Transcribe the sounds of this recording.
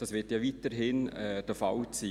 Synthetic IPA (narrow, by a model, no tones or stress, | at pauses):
d̥ɑsʋɪtjɑʋiːtəɾɦɪnɛd̥əfalt͡siː